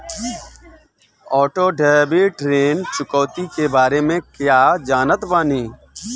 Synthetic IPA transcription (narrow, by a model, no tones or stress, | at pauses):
ɔːʈoːɖaːbiːʈɾeːnt͡ʃʊkɔːt̪ikebaːɾemẽkjaːd͡ʒaːnət̪baːniː